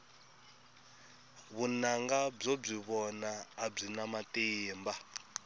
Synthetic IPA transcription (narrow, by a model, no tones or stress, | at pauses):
βunaŋɡab͡ʐob͡ʐiβɔnaːb͡ʐinamatʼeːmba